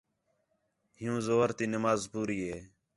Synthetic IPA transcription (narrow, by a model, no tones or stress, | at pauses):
ɦɪjũːzoːɾt̪iːnəmaːzpuːɾiːɦeː